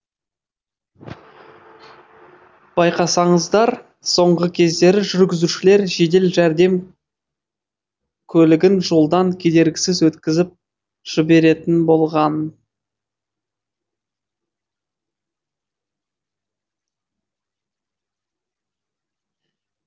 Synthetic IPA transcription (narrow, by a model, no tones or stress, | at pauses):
b̥ɑjqɑsɑɴəzd̪ɑɾ | so̞ɴʁəkʲʰe̞zd̪e̞ɾɪʒʏɾɡʲɪzuʃɪle̞ɾʒe̞d̪e̞lʒæɾd̪e̞m | kʲʰɵlɪɡʲɪnʒo̞lˠd̪ɑŋkʲʰe̞d̪e̞ɾɡʲɪsɪzwɵt̪kʲɪzɪp̚ | ʒ̥ɪbe̞ɾe̞t̪ɪnbo̞lˠʁɑn